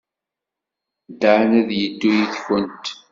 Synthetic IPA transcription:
d̪aʕnæðjəd̪ːujiθçənt̪

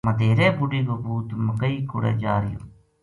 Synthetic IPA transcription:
mɐd̪ʱeːɾeːbʊɖiːɡobuːt̪mɐkəiːkʊɽḛːd͡ʒaːɾɪjo̰ː

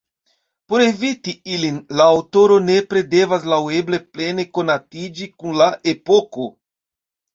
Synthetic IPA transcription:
poɾevit̪iilinlaːwt̪oɾonepɾed̪evazlawebleplenekonat̪id͡ʒikuŋlaʔepoko

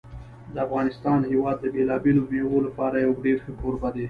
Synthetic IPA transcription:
d̪əafɣɑnɪst̪ɑnhewɑd̪̚ːəbelɑbelobeɣolapɑɾajawɖeɾxəkoɾbad̪e

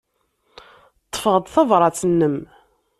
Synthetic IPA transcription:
t̪ˤːə̥fəʁəd̪ˤθɑvɾˤɑt͡sənːəm

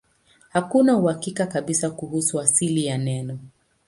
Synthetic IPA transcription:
hakunauhakikakaɓisakuhusuasilijanɛnɔ

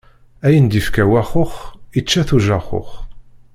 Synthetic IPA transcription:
æjənd̪ifkæwæχʊχit͡ʃːæθuʒæχo̰χ

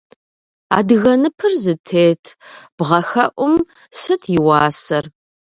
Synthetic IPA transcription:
a̰ːdɨɣɐnɨpʰɨrzɨtʰeːtʰb̥ʁɐxɐʔʷʊm | sɨtʰjɪwɑːsɐr

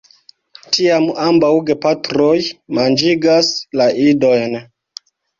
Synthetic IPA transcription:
tʰiamambawɡe̞patɾo̞jmand͡ʒiɡaslaido̞jn

